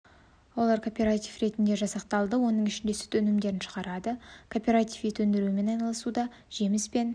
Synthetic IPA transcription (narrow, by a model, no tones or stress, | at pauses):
wo̞lˠɑɾkʰo̞pʲe̞ɾat̪ʲifre̞t̪ɪnd̪e̞ʒɑsɑqt̪ɑlˠd̪əwo̞nəɴɪʃɪnd̪e̞sɪ̥t̪ʰɵnɪmd̪e̞ɾɪnʃə̥ʁɑɾɑd̪əkʰo̞pʲe̞ɾat̪ifijt̪ʰɵnd̪ɪɾume̞nɑjnɑlˠəsud̪ɑ | ʒ̥e̞mɪspe̞n